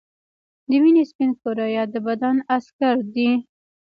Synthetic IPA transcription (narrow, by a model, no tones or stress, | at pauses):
d̪əminespinkoɾɑjɑd̪əbad̪anaskaɾd̪i